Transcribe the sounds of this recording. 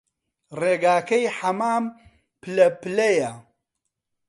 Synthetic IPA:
reːɡaːkɐjħɐmaːm | pɨlɐpɨlɐjɐ

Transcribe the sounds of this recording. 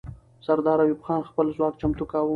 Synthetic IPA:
saɾd̪ɑːɾajubxɑːnxpəlzwɑk̚t͡ʃamt̪ukawə

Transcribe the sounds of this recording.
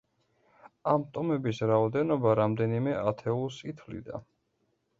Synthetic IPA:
amt̪ʼɔmɛbisɾaɔd̪ɛnɔbaɾamd̪ɛnimɛʔat̪ʰɛulˠsit̪ʰlḭd̪a̰

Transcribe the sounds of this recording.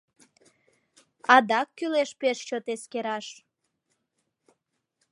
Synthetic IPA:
ɑd̪ɑkːyleʃpeʃt͡ɕot̪eskeɾɑʃ

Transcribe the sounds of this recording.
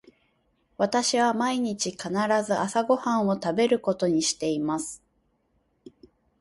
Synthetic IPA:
βat̪aɕiβamaiɲ̟it͡ɕikanaɾazɨʔasaɡo̞hãɰ̃o̞t̪abe̞ɾɯ̟ko̞t̪o̞ɲ̟iɕi̥t̪e̞imasɨ̥

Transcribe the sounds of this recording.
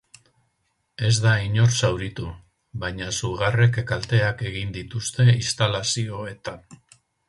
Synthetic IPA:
e̞zd̪aiɲo̞ɾsawɾit̪u | βajɲasuɣare̞kkalt̪e̞ake̞ɣind̪it̪ust̪e̞ist̪alasio̞e̞t̪an

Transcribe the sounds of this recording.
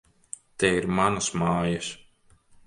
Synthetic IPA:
t̪ɛiɾmanɐsmaːjas

